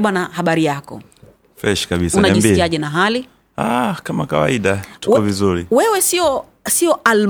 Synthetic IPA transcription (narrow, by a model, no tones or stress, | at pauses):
ɓanahaɓaɾijakɔ̰ | fɛʃkaɓisunaʄimbiiaʄɛnaɦali | akamakawa̰iɗauwkɛvizuɾiwɛwɛsiɔ | siɔʔal